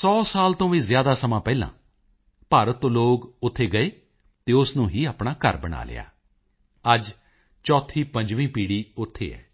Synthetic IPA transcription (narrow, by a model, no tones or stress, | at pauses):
sɔːsaːlt̪õːʋiːzɪjaːd̪aːsəmãːpɛːlã̰ː | paːɾət̪ːõːloːɡʊt̪ʰːeːɡəeː | t̪eːʊsnũːɦiːaːpɳaːkə̰ɾbəɽa̰ːlɪ̰ja̰ː | əd͡ʒ | t͡ʃɔːt̪ʰiːpə̃ɲd͡ʒʋĩːpiːɽiːʊt̪ʰːḛːɛ̰ː